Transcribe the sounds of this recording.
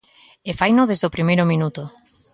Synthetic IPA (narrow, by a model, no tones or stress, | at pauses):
efajnoðezðopɾimejɾomĩnut̪o